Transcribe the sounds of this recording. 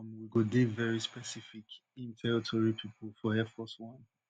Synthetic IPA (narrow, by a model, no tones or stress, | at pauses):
mwiɡodevɛɹispɛsifikĩntʰɛɹitʰɔɹipʰipʰl̩ˠfɔhɛfɔswɔ̃n